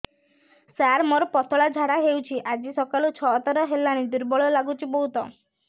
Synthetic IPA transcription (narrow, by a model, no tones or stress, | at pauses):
saɾmɔɾɔpɔt̪ʰɔɭad͡ʒʱaɽaɦewt͡ʃʰiʔad͡ʒisɔkalut͡ʃʰɔɦɔt̪ɔɾɔɦelːaɽ̃id̪uɾbɔɭɔlaɡut͡ʃʰibɔɦut̪ɔ